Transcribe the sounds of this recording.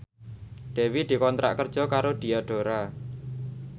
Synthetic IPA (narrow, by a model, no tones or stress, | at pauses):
ɖ̪̥ɛ̤wid̪̥i̤kɔnt̪ɾʔa̰ʔkərd̥ʒ̥ɔ̤kaɾoɖ̪̥i̤aɖ̥o̤ɾa